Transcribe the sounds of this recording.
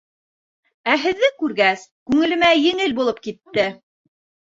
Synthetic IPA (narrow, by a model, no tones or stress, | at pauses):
æɦɘ̆ðːɘkʉɾɡæskʉŋɘ̆lɘ̆mæjɘ̆ŋɘlbulˠɤp̚kit̪ːɘ